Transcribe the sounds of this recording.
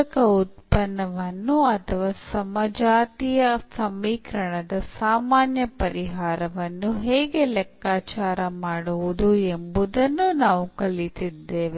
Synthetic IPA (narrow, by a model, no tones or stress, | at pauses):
kɐut̪̚pɐnːɐʋɐnːuɐt̪ʰɐʋaːsɐmɐd͡ʒaːt̪ijɐsɐmːiːkɾɐɳɐd̪ɐsaːmaːnjɐpɐɾiɦaːɾɐʋɐnːuɦeːɡe̞lɛkːaːt͡ʃaːɾɐmaːɽuʋud̪uembud̪ɐnːunaːʋukɐlit̪id̪ːeːʋe